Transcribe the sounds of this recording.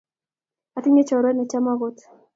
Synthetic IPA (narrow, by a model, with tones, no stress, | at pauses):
a˨tɪ˦ɲe˦t͡ʃɔ˨ɾwɛ˦nɛ˨t͡ʃa˦ma˦ɣo˦t̪